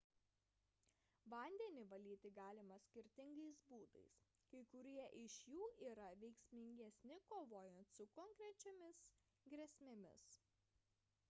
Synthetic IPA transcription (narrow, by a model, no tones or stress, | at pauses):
ʋɐnʲd̪ʲɛnʲɪʋɐlʲiːt̪ʲɪɡɑːlʲɪmɐsʲkʲɪɾʲt̪ʲɪŋɡɐɪsbuːd̪ɐ̰ɪs | kɐɪkʊɾʲiɛʔɪʃjuːʔiːɾɐʋʲɛɪksʲmʲɪŋʲɡʲɛsʲnʲɪkoːʋoːjɛnt̪sʊkɔŋkɾʲɛt͡ʃʲɛmʲɪs | ɡɾʲɛsʲmʲɛmʲɪ̰s